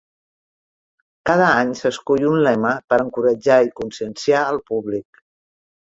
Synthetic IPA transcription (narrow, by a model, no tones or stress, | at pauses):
kaðəaɲsəskuʎunlɛməpəɾəŋkuɾəd͡ʒaikunsiənsiaəlˠpuβlik̚